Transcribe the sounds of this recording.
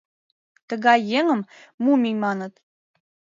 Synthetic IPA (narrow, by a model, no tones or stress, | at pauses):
t̪ə̆ɣɑjːeŋə̆mmumijmɑnə̆t̪